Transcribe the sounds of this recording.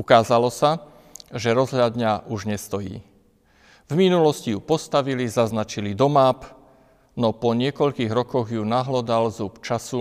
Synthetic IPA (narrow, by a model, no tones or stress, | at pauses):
ukaːzalɔsa | ʒɛɾɔzɦlʎad̪ɲaʔuʒɲɛst̪ɔjḭː | vminulɔscijupɔst̪aʋilizaznat͡ʃilid̪ɔmaːp | nɔpɔɲɪɛkɔʎkiːɣɾɔkɔɣjunaɦlɔd̪alzupt͡ʃasu